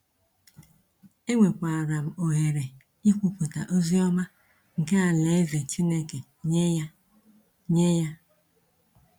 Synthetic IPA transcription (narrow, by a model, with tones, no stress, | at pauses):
e˦ŋʷe˨kʷa˨a˨ɾa˨m̩˨o˨ɦe˨ɾe˨ | i˦kʷu˨ku˨ta̰˨ʔo˦zi˦ɔ˦ma˦ | ŋ̩˨ke˦a˨le˨˦e˦ze˨t͡ʃi˦ne˦ke˨ | ɲe˦a˦ | ɲe˦ja˦